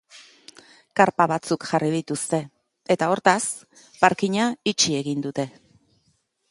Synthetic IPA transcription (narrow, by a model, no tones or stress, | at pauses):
kaɾpaβ̞at͡sukʝarið̞it̪ust̪e̞ | et̪ao̞ɾt̪as | paɾkiɲait͡ʃie̞ɣind̪ut̪e̞